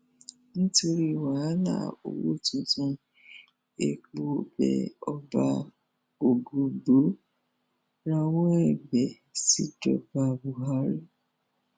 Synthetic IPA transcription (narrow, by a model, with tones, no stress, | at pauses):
nĩ˦to˧ɾi˦˨wa˨˦na̰˦˨o̰˨wo̰˦˨tũ˦tũ˧ | e˨k͡po˨bɛ̰˨ɔ˦ba˧ | o˨ɡu˨bo˨˦ | ɾa˦wɔ̃˦ɛ˦˨bɛ˨ | si˦dɔ̰˨ba˨bu˨ɦa˦ɾe˦